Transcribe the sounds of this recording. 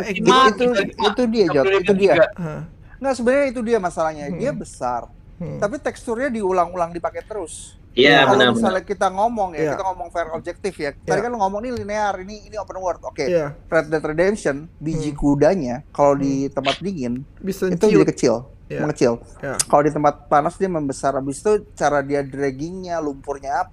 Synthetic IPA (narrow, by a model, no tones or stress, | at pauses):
iit̪uit̪udiad͡ʒɔt̪it̪udia | ŋɡaʔsəbənaɲait̪̬udiamasalahɲadiabəsa̰r | t̪ap̬it̪ɛkst̪ʊrɲadiulaŋulaŋdipakɛt̪əɾʊs | jakaləamasalkit̪aŋomɔŋjakit̪aŋɔmɔŋfɛrob̚d͡ʒɛk̚t̪ɪfjat̪aɾikanlŋomɔŋinilineariniːniopənwərt̪̚okeɾeɛt̪ɾedɛmsɔnbid͡ʒikudaɲakalowdit̪əmpat̪̚biŋɪn | it̪ud͡ʒudikət͡ʃɪl | məŋət͡ʃɪl | kalodit̪əmpat̪̚panasdiaməmbəsaɾabɪst̪ut͡ʃaɾadiadɾɛɡɪŋɲalumpʊrɲaːpa